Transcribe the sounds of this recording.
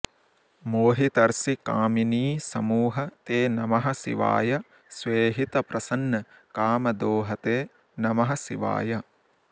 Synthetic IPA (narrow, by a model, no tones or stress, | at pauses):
moːɦit̪ɐɾsikaːminiːsɐmuːɦɐt̪eːnɐmɐɦɐsḭʋa̰ːjɐ | sʋeːɦit̪ɐpɾɐsɐnːɐkaːmɐd̪oːɦɐt̪eː | nɐmɐɦɐsḭʋa̰ːjɐ